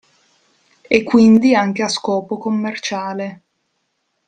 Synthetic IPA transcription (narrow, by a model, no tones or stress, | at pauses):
ekːwind̪iaŋk̟easkɔːpokomːert͡ʃaːle